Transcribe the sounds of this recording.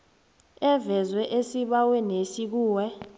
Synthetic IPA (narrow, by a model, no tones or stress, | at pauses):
ɛvɛzwɛʔesiɓawɛnesik̬uːwɛ